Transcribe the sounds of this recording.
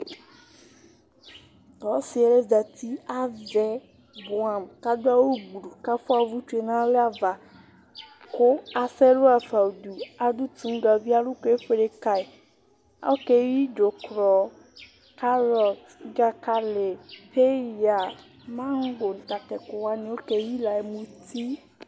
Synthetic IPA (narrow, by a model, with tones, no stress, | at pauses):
tɔ˨˦si˨e˨le˦d͡ʒa˨t̪ʰi˦a˨vɛ˦ | bo˨a˨mka˦d̪o˦a˦wo˦ɡ͡bɾu˨ka˦fo˦a˨vu˦t͡ʃu˦e˨nã˦le˦a˨va˨ | ko˦a˨sɛ˦lo˦a˨fa˨u˨d̪u˨a˨du˦t̪ũ˦ŋ˦ɡa˨vi˦a˦lu˦ke˦e˦ɸe˦ɖe˦ka˨e˨ | a̰˦wo˦ke˦wi˦d͡ʒo˨kɾɔ˨ | ka˦ɾɔ˨t̪ɡa˨ka˨le˨pʰe˦˨ja˨ | mã˦ŋ̩˦ɡo˨n̩˨t̪a˨tɛ˨ko˨wa˦nĩ˨wo˦ke˨˦ji˦la˨e˨mũ˨t̪ʰi˦